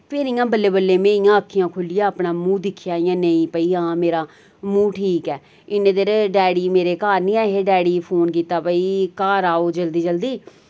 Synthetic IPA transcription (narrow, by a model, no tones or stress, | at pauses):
pʰeːɾɪjãːbəlːeːbəlːeːmeːɾɪjãːəkʰːɪjãːkʰʊlɪjaːəpɳaːmũːd̪ɪkʰːɪjaːɪjãːnəĩːpəiːãːmeːɾaː | mũːʈʰiːkɛː | ɪnẽːd̪əɾɖɛːɽiːmeːɾeːkaːɾnĩːɛːɦeːɖɛːɽiːpʰoːnkiːt̪aːbəiːkaːɾaːoːd͡ʒəld̪iːd͡ʒəld̪iː